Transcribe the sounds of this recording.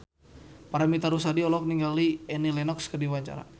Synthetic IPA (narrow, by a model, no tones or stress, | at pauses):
paɾamit̪aɾus̬adiɔlɔk̚niŋɡaliɛnilɛnɔkskərdiwaɲt͡ʃa̰ɾa̰